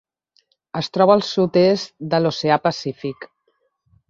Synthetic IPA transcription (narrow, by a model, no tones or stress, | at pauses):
əst̪ɾɔβəːlˠsut̪est̪̚d̪əloseapəsifik